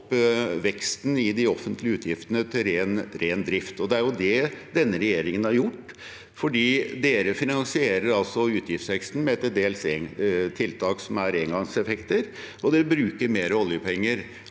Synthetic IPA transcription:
pːʋɛkst̪n̩ɪd̪ɪɔfənt̪ʰlɪʉːt̪jɪft̪ənət̪ʰɪlɾeːnɾeːnd̪ɾɪft̪ɔd̪ɛæɾjʊd̪ɛd̪ɛnːəɾɛjeːɾɪŋənhɑɾjʊʈː | fɔɖiːd̪eːɾəfɪnɑnsɪeːɾəɾɑlsɔʉːt̪jɪft̪sʋɛkst̪n̩mɛɛt̪d̪eːlset̪ʰːɪlt̪ʰɑːksɔmæɾeːŋɡɑŋsɛfɛkt̪əɾ | ɔd̪ɛbɾʉːkəɾmeːɾəɔljəpʰɛŋːəɾ

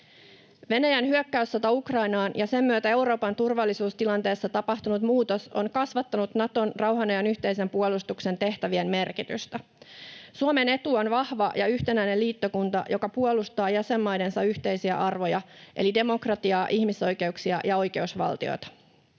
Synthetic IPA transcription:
ʋe̞næjænɦyøkːæysːæt̪ɑjukrɑjnɑːnjɑse̞mːyøt̪æe̞wɾo̞ːpɑnt̪urʋɑlːisuːst̪ilɑnt̪e̞ːsːɑt̪ɑpɑht̪unut̪muːt̪o̞so̞nkɑsʋɑt̪ːɑnut̪nɑt̪o̞nrɑwɦɑnɑjɑnyçt̪e̞ise̞mpuolust̪ukse̞nt̪e̞ht̪æʋie̞mme̞rkit̪y̰st̪æ | suome̞ne̞t̪uːo̞nʋɑhʋɑjɑyçt̪enæjne̞liːt̪ːo̞kunt̪ɑ̰jo̞kɑpuolust̪ɑːjæse̞mːɑjde̞nsɑyçt̪e̞jsiæ̰ʔɑrʋo̞jɑʔe̞̰lide̞mo̞krɑt̪iɑːʔiçmiso̞jke̞uksiɑjɑo̞jke̞usʋɑ̰lt̪io̰jt̪ɑ̥

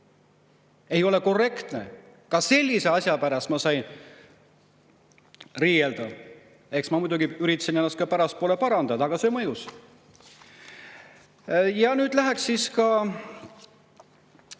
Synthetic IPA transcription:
e̞jo̞le̞ko̞re̞kt̪ne̞̰ | kɑse̞lʲːise̞ɑsʲjɑpæɾɑst̪mɑsɑjn | riːjeld̪̥ɑ | e̞ksmɑmujd̪uɡiyɾit̪ːˑɑsinenːɑst̪kɑpæɾɑspoːle̞pɑɾɑnd̪ɑd̪ɑɡ̥ɑsemɤjus | jɑnyːd̪læɦæksːiskɑ

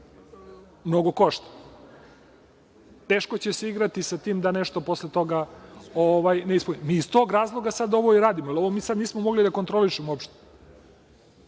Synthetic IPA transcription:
mnoɡo̞koʃt̪ḁ | t̪eːʃkot͡ɕeseiɡɾat̪isat̪iːmd̪aneʃt̪o̞po̞slet̪o̞ɡaoʋajneispunimiːst̪oːɡɾaːzlˠoɡasad̪o̞ʋo̞iɾaːd̪imoaloʋomiːsad̪niːsmomoɡlid̪akont̪ɾo̞liʃemoopʃt̪e̥

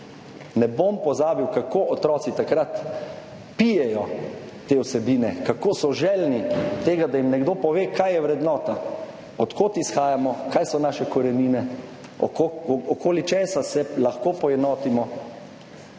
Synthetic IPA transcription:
nɛbompɔzaːbiwkakoʔɔt̪ɾɔːt̪sit̪akɾat̪ | pijɛjɔ | t̪ewsɛbiːnɛkakoːsɔʒɛlnit̪eːɡad̪ajimnɛɡd̪oːpɔʋeːkajjɛwɾɛd̪nɔːt̪a | ɔt̪koːt̪isxaːjamɔkajsɔnaːʃɛkɔɾɛniːnɛ | ɔ̰koɔkoːlit͡ʃɛːsasɛlaxkoːpɔjɛd̪nɔːt̪imɔ

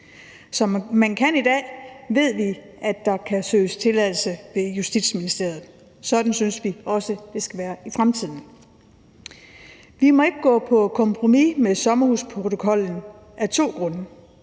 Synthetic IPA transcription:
sɒ̽mmænkʰænid̥ɛ̰ːʋe̝ð̞̰ˠʋi | ʔæd̥ɑ̈kʰæsø̰ːst͡sʰe̝læðˠl̩səʋe̝jusd̥id̥sminisd̥e̝ɐ̰ð̩ˠ | sɒ̽d̥n̩synsʋiɒ̽səd̥e̝sɡ̥æʋæːɐifʁamt͡sʰið̞̰ˠn̩ | ʋimɒ̽e̝ɡ̥əɡ̥ɔ̰̽ːpʰɒ̽kʰɒ̽mpʰʁo̝mimesɒ̽mɐhuspʰʁo̝t͡sʰo̝kʰɒ̽l̰n̩ | æɐt͡sʰo̝̰ːɡ̥ʁɔ̽nə

